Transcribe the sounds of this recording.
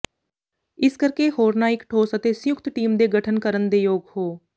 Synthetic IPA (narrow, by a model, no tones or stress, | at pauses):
ɪskəɾkeːɦoːɾnaːɪkʈʰoːsət̪eːsəjʊkt̪ʈiːmd̪eːɡəʈʰənkəɾənd̪eːjoːɡhoː